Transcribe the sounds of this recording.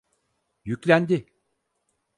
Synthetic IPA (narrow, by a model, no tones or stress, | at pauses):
jyclʲænd̪i